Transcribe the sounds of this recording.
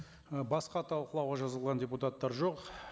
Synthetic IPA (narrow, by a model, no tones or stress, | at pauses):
bɑsqɑt̪ʰɑlˠqəlˠɑwʁɑʒɑzəlˠʁɑndʲeput̪at̪ːɑɾʒo̞q